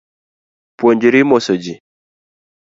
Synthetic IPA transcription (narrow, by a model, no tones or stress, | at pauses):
pwoɲd͡ʒiɾimosod͡ʒi